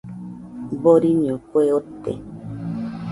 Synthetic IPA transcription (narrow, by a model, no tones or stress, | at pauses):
boɾiɲõkweot̪ḛ